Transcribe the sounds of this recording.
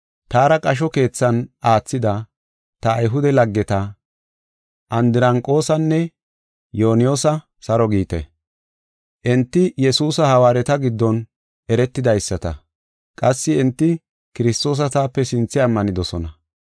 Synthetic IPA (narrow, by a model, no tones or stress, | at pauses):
t̪aːɾɐkʼɐʃ̬ɔke̞ːt͡sːɐnaːt͡sːɪd̪ɐ | t̪ɐːjɦʊd̪ɛlɐɡːɛt̪ɐ | ʔɐnd̪ɪɾɐŋkʼːo̞ːsɐnːɛ | joːnɪjo̞ːsɐ | sɐɾɔɡiːt̪ɛ̰ | ʔɪnt̪ːɪjɛsuːsɐhɐwaːɾɛt̪ɐɡɪd̪ːɔn | ɛɾɛt̪ːɪd̪ɐjsːɐt̪ɐ̰ | kʼɐsːɪːnt̪ːɪ | kɪɾɪst̪o̞ːs̬ɐt̪aːpːɛsɪnt͡sːɪɐmːɐnɪd̪ɔsɔnɐ